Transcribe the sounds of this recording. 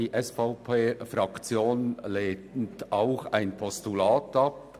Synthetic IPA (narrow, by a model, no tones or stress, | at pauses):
iːʔɛsfaʊpʰeːfɾɑkt͡sjoːnleːntaʊxaɪnpʰɔstulaːtʰɑp̚